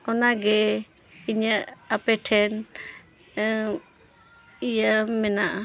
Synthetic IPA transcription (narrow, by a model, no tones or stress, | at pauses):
ɔnaɡɛ | iɲaʔapɛʈʰɛn | ijamɛnaʔa